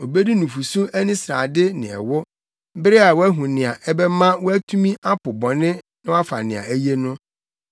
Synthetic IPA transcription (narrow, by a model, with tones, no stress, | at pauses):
o˨be˦di˦nũ˨fu˨sũ˦æ˦nĩ˦sɾa̰˨dɪ˦nɪ̰̃˨ɛ̰˨wʊ˦ | bɪ˦ɾɪ˦a˨wɔ˦æ˦ɦũ˨nɪ̃˨a˨ʔɛ˦bɛ˦mã˦wɔ˦æ˦tʰu˦mĩ˦ʔa˦pʊ˨bɔ̃˨nɪ̃˦ | nɪ̃˦wa˦fa̰˨nɪ̃˨a̰˨æ˦je˦nʊ̃˦